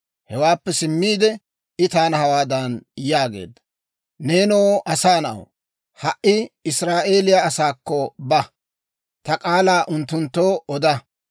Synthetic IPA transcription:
hɛwaːpːɛsɪmːiːd̪ɛ | ɪt̪aːnɐhɐwaːd̪ɐnjaːɡe̞̰ːd̪ːɐ̥ | ne̞ːnoːʔɐsaːnɐʔɐ̰w | hɐʔɪɪsɾaːʔe̞ːlɪjaɐsaːkːɔbɐ | t̪ɐkʼaːlaːʔʊnt̪ːʊnt̪ːo̞ːʔɔd̪ɐ

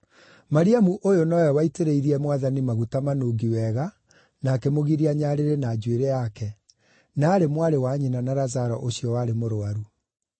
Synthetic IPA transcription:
maɾiamuʔojonɔjɔwaiteɾeiɾiɛmwaðanimaɣutamanoːɡiwɛɣa | nakɛmoɣiɾiaɲaɾeɾenaːd͡ʑweɾejakɛ | naːɾemwaɾewaɲenanaɾazaɾɔ̰ʔoɕiɔwaɾemoɾoaɾu

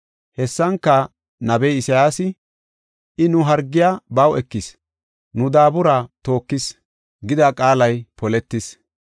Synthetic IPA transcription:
hɛsːɐŋkːɐ | nɐbɛjɪsɐjaːsɪ | ʔɪnʊɦɐɾɡːɪjaːbɐwɛkːɪs | nʊd̪aːbʊɾaːt̪o̞ːkːɪs | ɡɪd̪ɐkʼaːlɐjpɔlɛt̪ːɪs

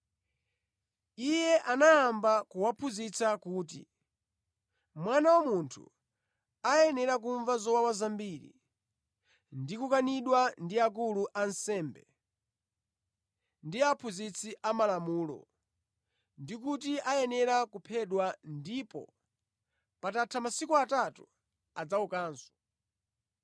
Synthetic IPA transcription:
ijɛʔanaːmbakuwapʰuzit͡sakuːtḭ | mwanawamuntʰṵ | ajɛnɛɾak̬uɱvazɔwawazambiːɾḭ | ndikukaniɗwandiak̬uluʔansɛːmbɛ | ndiapʰuzit͡sʰiʔamalamuːlɔ̰ | ndik̬utiʔajɛnɛɾakupʰɛɗwandipɔ̰ | patatʰamasikuatatu | ad͡zaukaːnsɔ̥

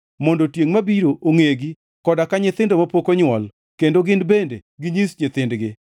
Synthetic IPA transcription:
mɔndotjeŋmabiɾoʔoŋeɡi | kɔdakaɲɪt̪ɪndomapokoɲwɔl | kendoɡɪnbendeɡɪɲisɲɪt̪ɪndɡɪ

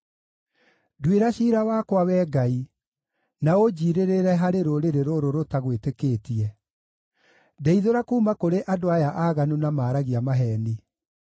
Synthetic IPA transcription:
dweɾaɕiːɾawakwawɛːɡai | naod͡ʑiːɾeɾeɾɛɦaɾeɾoɾeɾeɾoɾoɾotaɣwetekeːtiɛ | dɛiðoɾakuːmakoɾeʔadoajaʔaːɣanunamaːɾaɣiamaɦɛːni

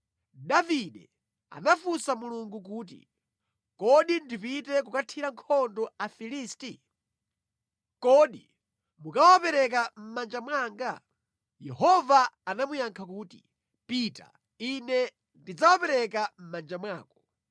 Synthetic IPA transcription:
daviɗɛ | a̰nafusamuluŋɡukuːt̬ḭ | kɔɗindipitɛkukatʰiɾaŋkʰɔndɔafilisti | kɔːɗi | mukawapɛɾɛk̬am̩mand͡ʒamwaːŋɡa | jɛhɔvaːnamujaŋkʰakuːtḭ | pita̰ | inɛ | ndid͡zawapɛɾɛk̬am̩mand͡ʒamwaːkɔ̥

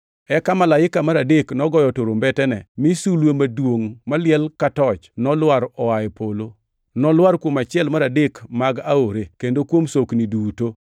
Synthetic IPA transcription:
ɛkamalaɪkamaɾadeknɔɡɔjɔtoɾombɛtɛnɛmisulwemadwoŋmalɪɛlkatɔt͡ʃnɔlwaɾɔaɛpolo | nɔlwaɾkwomat͡ʃɪɛlmaɾadekmaɡaoɾekendokwomsokniduto

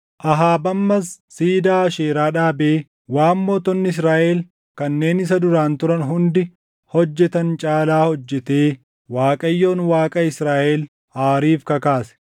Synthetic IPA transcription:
ʔɐɦaːbɐmːɐsː | iːd̪aːɐʃeːɾaːᶑaːbeː | waːmːoːt̪ɔnːɪɪs̬ɾaːʔɛl | kɐnːe̞ːnɪs̬ɐd̪ʊɾaːnt̪ʊɾɐnɦʊnd̪ɪ | hɔd͡ʒːɛt̪ɐnt͡ʃʼaːlaːhɔd͡ʒːɛt̪e̞ː | waːkʼɐjːo̞ːnwaːkʼɐɪsɾaːʔɛl | aːɾiːfkɐkaːsɛ̥

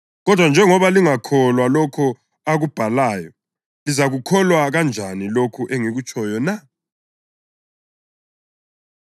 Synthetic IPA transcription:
ɣɔd̥ʱwand͡ʒʱɛŋɔβaliŋakʰɔlwalɔkʰɔ | aɣub̥ʱalaːjɔ | lizaɣukʰɔlwaɣand͡ʒʱanilokʰuʔeŋiɣut͡ʃʼʰɔjɔna

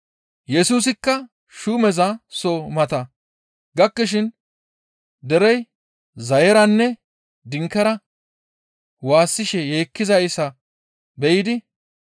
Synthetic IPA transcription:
jɛsuːs̬ɪkːɐ | ʃumɛzɐsomɐt̪ɐ | ɡɐkːɛʃ̬ɪn | d̪ɛɾɛj | zɐjɛɾɐnːɛ | d̪ɪŋkːɛɾɐ | waːsːɪʃɛje̞ːkːɪzɐjsɐ | bɛjɪd̪ɪ

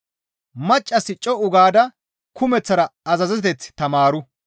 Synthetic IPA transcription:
mɐt͡ʃʼːɐsɪt͡ʃʼɔʔʊɡaːd̪ɐ | kʊmɛt͡sːɐɾɐɐzɐzɛt̪ɛt͡sːt̪ɐmaːɾʊ

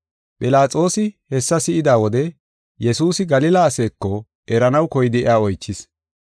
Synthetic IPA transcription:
pʼɪlaːt͡sʼo̞ːsɪhɛsːɐsɪʔɪd̪aːwɔd̪ɛ | jɛsuːsɪɡɐlɪlaːse̞ːkːɔ | ʔɛɾɐnɐwkɔjɪd̪ɪɪ̰jaːɔjt͡ʃːɪs

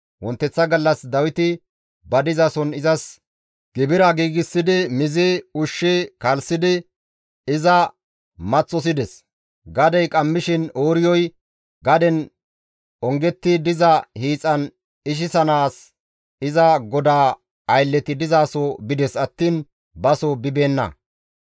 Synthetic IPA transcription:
wɔnt̪ːɛt͡sːɐɡɐlːɐsd̪ɐwɪt̪ɪ | bɐd̪ɪzasɔnɪzɐs | ɡ̥ɪbɪɾɐɡiːɡɪsːɪd̪ɪmɪzɪʊʃːɪkɐlsɪd̪ɪ | ɪzɐ | mɐt͡sːɔs̬ɪd̪ɛs | ɡɐd̪ɛjkʼɐmːɪʃɪnoːɾɪjɔj | ɡɐd̪ɛn | ɔŋɡɛt̪ːɪd̪ɪzɐhiːt͡sʼːɐn | ɪʃ̬ɪsɐnaːs | ɪzɐɡɔd̪aː | ɐjlːɛt̪ɪd̪ɪzaːsɔbɪd̪ɛsɐt̪ːiːn | bɐsɔbɪbe̞ːnːɐ̰

